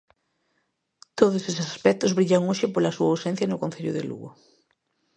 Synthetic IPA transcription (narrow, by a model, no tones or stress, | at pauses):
t̪oðʊsesesaspɛk̚t̪ʊzβɾiʎawŋoʃɪpolɐsuawsɛnθjɐnʊkon̟θeʎʊðɪ̰lṵɣʊ̰